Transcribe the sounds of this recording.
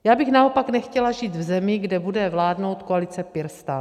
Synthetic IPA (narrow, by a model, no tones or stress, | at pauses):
jaːbɪxnaopaknɛxcɛlaʒiːt̪vzɛmɪɡdɛbudɛvlaːdno̞wt̪koalɪt͡sɛpɪɾst̪a